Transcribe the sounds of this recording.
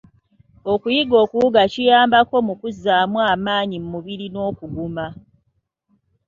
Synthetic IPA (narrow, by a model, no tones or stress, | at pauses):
o̞kujiɡo̞ːkuuɡacijaːmbako̞mukuzːaːmwaːmaːɲimmuβiɾino̞ːkuɡuma